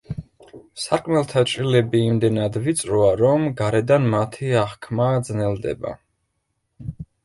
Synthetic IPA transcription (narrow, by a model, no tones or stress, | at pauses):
saɾkʼmɛlˠt̪ʰat͡ʃʼɾilɛbiːmd̪ɛnad̪vit̪sʼɾɔaɾɔmɡaɾɛd̪anmat̪ʰiaχkʰmaːd̪znɛlˠd̪ɛ̰ba̰